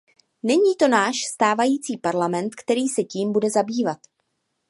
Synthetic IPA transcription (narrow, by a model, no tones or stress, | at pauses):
nɛɲiːt̪o̞naːʃst̪aːvajiːt͡siːpaɾlamɛnt̪kt̪ɛɾiːsɛciːmbudɛzabiːvat̪